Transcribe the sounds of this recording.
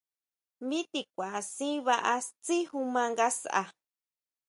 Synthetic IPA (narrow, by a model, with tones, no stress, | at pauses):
mĩ˦t̪i˧˨kʷa˨a˨sĩ˦βa˧ʔa˧t͡si˦hu˧mã˧ŋɡa˦sa̰˨